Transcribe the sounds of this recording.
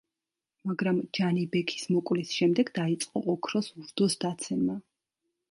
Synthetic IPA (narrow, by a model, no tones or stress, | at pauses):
maɡɾamd͡ʒanibɛkʰi̥smɔkʼwlisʃɛmd̪ɛɡd̪ait̪sʼqʼɔʔɔkʰɾɔsuɾd̪ɔsd̪at̪sʰɛma